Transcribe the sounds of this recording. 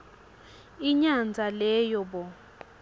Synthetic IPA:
iɲand͡zʱalɛːjɔɓɔ

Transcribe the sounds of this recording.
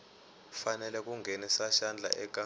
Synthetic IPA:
fanɛlɛk̬ʼuŋɡʱenisaʃand͡ɮʱa̰ʔɛɡ̥ʱʼa

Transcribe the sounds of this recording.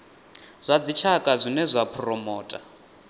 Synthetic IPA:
z̥ʷad͡zit͡ʃʰakʼazʷinɛzʷapʰrɔmɔːtʼa

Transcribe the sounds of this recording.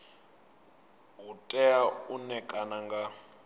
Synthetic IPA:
ɦutʼɛaunɛkʼanaŋɡa

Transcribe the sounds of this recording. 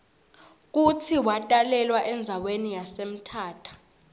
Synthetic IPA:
k̬utʰiwatʼalɛlwaʔɛnd͡zʱawenijasem̩tʰaːtʰḁ

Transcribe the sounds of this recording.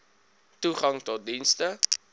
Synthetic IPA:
tuχɐŋtɔt̚dinstə

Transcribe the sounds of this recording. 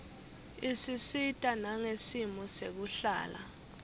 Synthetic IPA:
isisitʼanaŋesimɔsek̬uɬa̰ːla̰

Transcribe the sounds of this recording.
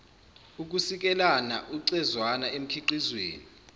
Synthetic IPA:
uk̬usik̬ɛlanaʔuǀɛzwanaem̩kʰiǃizwḛːni

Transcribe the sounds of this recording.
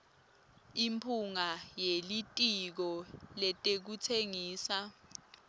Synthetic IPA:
impʰuŋajelitʼik̬ɔlɛtʼek̬utʰeŋiːsa

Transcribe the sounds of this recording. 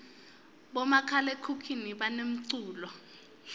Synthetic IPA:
ɓɔmakʰalekʰukʰiniɓanem̩ǀuːlɔ

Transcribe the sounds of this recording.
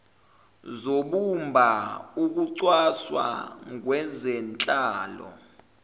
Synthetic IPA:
zoɓumbʱauk̬uǀwaswa̰ŋwɛzɛnt͡ɬʼaːlɔ̰

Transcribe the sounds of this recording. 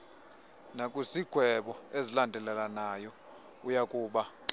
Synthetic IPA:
nakʼusiɡ̥ʱwɛɓɔezilandʱɛlɛlanajɔ | ujakʼuːɓa

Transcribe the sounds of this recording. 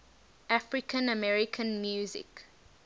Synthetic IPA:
ʔafɹikʰə̃nəmɛɹikʰə̃nmjuːzɪ̰k

